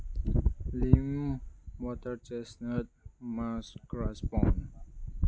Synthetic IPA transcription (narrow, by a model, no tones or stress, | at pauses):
lĩmwɔtəɹt͡ʃɛsnət̚masɡ̥ɹasbɔ̃n